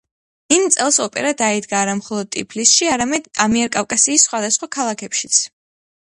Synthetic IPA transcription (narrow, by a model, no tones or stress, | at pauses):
int̪sʼɛlˠsɔpʼɛ̰ɾad̪aid̪ɡaːɾamχɔlˠɔd̪̚t̪ʼipʰlisʃiaɾamɛd̪amiɛɾkʼafkʼasiːsːχwad̪asχwakʰalˠakʰɛpʃit̪sʰ